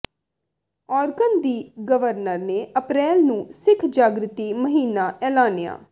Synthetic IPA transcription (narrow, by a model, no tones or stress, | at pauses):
ɔːɾɡənd̪iːɡəʋəɾnəɾneːəpɾɛːlnũːsɪkʰd͡ʒaːɡɾɪt̪iːməɦiːnaːʔɛːlaːnɪja̰ː